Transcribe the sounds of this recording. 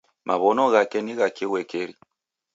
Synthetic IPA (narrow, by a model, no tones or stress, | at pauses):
mʔaβɔnɔɣakɛniɣakewɛkeɾi